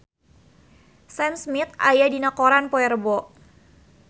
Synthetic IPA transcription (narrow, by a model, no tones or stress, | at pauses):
sɛnsmit̪a̰jadinakɔɾanpɔɛrbɔʔ